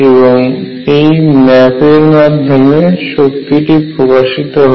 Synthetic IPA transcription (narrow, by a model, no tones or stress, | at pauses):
eboŋ | ejmɛpeɾmad̪ʱːomeʃok̚t̪iʈipɾokaʃit̪oɦo